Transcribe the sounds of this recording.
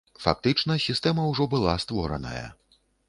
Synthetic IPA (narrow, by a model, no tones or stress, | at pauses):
fa̰k̚t̪ɨt͡ʂnɐsʲist̪ɛmɐwʐɔbɨlˠast̪vɔɾɐ̰nɐ̰jɐ̰